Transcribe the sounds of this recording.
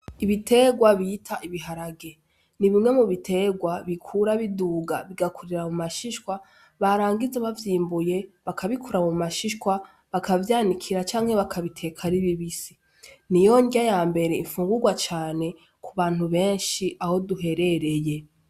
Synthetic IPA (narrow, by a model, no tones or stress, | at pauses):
iβitʰe̞ɡwaβitʰaʔiβiɦaɾaɡe̞ | niβimŋe̞muβitʰe̞ɡwaβikʰuɾaβiduːɡaβiɡakʰuɾiɾamumaʃiʃkwa | βaɾaːŋɡizeβavjiːmbuje̞βakʰaβikʰuɾamumaʃiʃkwa | βakʰavjaːnikʰiɾat͡ʃaːŋhe̞βakʰaβitʰe̞kʰaɾiβiβisi̥ | nijo̞ŋɡajaːmbe̞ɾe̞iɱfuːŋɡuɡwat͡ʃaːne̞ | kʰuβaːn̥huβe̞ːnʃiʔaho̞duɦe̞ɾe̞ɾe̞je̞